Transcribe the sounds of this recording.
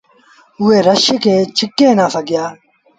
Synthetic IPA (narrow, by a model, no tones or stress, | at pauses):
uweːɾɐɕiket͡ɕʰikːẽːnaːfɐɡjaː